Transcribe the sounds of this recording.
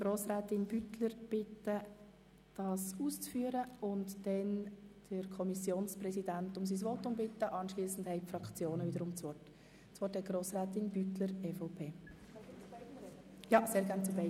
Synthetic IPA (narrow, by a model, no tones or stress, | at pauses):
ɡ̥ɾoːsɾæːtɪnb̥ytləɾb̥ɪtːə | d̥ɑːsuːst͡sfyːəɾəʊntd̥ɛnd̥əɾkʰɔmisjoːnsprɛsidæntʊms̬is̬ʋɔtʊmbɪtːəʔɑnʃliːsn̩d̥hɛɪfɾɑkt͡sjoːnəviːd̪əɾʊmt͡sʋɔrt | t͡sʋɔthɛt̚ɡ̥ɾoːsɾæːt̪ɪnb̥ytləɾɛfɔʊpʰeː | jɑseːɾɡæːnt͡subɛɪ